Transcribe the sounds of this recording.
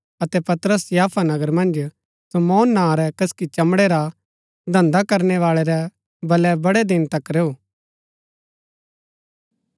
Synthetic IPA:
ɐt̪ɛpɐt̪ɾəsjaːpʰanɐɡəɾmɐ̃nd͡ʒ | somɔːnːãːɾɛkɐskit͡ʃɐmɽeɾa | d̪ʱɐ̃nd̪akɐɾnɛʋaːɭeɾɛ | bɐlɛbɐɽɛd̪ɪnt̪ɐkɾeːoː

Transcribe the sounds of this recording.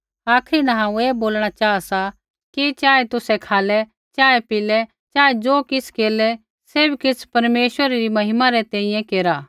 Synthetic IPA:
aːkʰɾinɐ̃ɦãːũeːboːlɽ̃at͡ʃaːasa | kit͡ʃaːet̪ʊsɛkʰaːlɛ | t͡ʃaːɛpɪlɛ | t͡ʃaːed͡zoːkɪskeːlɛ | seːbikɪspɐɾmeːʃwəɾeɾimɐɦɪmaɾɛt̪ɛ̃ːĩjɛ̃keːɾaː

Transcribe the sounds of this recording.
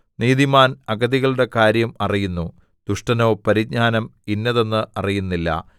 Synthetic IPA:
niːðimaːnɐɡɐðiɣɐɭuɽe̞kaːɾjɐmɐrijunːu | d̪̥uʂʈɐno̞ːpɐɾiɡ̚ɲaːnɐminːɐðe̞nːɨʔɐrijunːilːɐ̰

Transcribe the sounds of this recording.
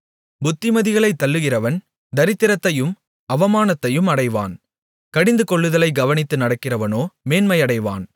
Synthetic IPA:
bʊt̪ːɪmɐðɪɣɐɭɐɪt̪ːɐlːɯɣɪrɐʋɐn | d̪ɐɾɪt̪ːɪɾɐt̪ːɐjɯm | ɐʋɐmaːnɐt̪ːɐjɯmɐɽɐɪʋa̰ːn | kɐɽɪnd̪ɯkɔɭːɯðɐlɐɪɡɐʋɐnɪt̪ːɯnɐɽɐkːɪrɐʋɐnoːmeːnmɐjɐɽɐɪʋa̰ːn

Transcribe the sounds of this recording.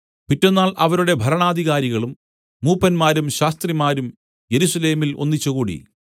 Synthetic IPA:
pitːunːaːɭʔɐʋɐɾuɽe̞bʱɐɾɐɳaːd̪ʱiɣaːɾiɣɐɭumː | uːpːɐnmaːɾumɕaːst̪rimaːɾum | je̞ɾusɐle̞ːmilo̞̰nːit͡ɕːuɣuːɽḭ

